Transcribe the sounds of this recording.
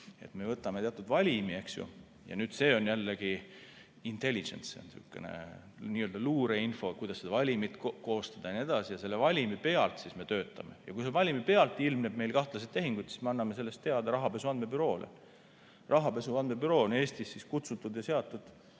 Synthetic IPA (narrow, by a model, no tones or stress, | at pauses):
e̞̰t̪me̞vɤt̪ːˑɑmet̪eɑt̪ːˑud̪vɑlʲimie̞ksjṵ | jɑ̰nyːd̪̥se̞ːo̞njælːeɡ̥i | int̪e̞lʲːid͡ʒḛnsseo̰nsṵkːˑe̞̰nḛ | niːøld̪̥ɑluːɾeinfo̞kujd̪̥ɑsːed̪ɑvɑlʲimit̪ˑkko̞ːst̪ɑd̪̥ɑjɑnie̞d̪̥ɑsijɑse̞lːe̞vɑlʲimipe̞ɑlt̪sisme̞t̪ø̞ːt̪ˑːɑme̞̰jɑ̰kujse̞vɑlʲimipe̞ɑlt̪ːˑilmneb̥̚me̞jlkɑht̪lɑs̬ed̪̚t̪e̞ɦiŋɡ̥ud̪si̥smeɑnːɑme̞se̞lːe̞st̪ːe̞ɑd̪̥ɑɾɑɦɑpe̞suɑnd̪mebyɾo̞ːlḛ | rʔɑɦɑpe̞suɑnd̪̚mebyɾo̞ːne̞ːsʲt̪isːiskut̪sut̪ːˑud̪jɑse̞ɑt̪ːˑud̪̥